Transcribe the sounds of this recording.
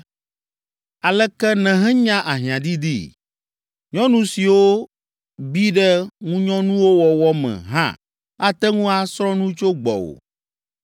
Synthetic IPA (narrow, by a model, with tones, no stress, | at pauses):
a˨lɛ˦kɛ˦nɛ̃˨ɦɛ̃˦ɲã˦ʔa˨ɦĩ˨ã˨d̪i˦d̪ḭ˦ | ɲɔ̃˦nũ˦si˨wo˦ | bi˦ɖɛ˦ŋũ˦ɲɔ̃˦nũ˦wo˦wɔ˨wɔ˦mɛ̰̃˨ɦã̰˦ | a˦t̪ɛ˦ŋũ˦a˨sɾɔ̃˦nũ˦t͡ʃo˦ɡ͡bɔ̰˨wo̰˨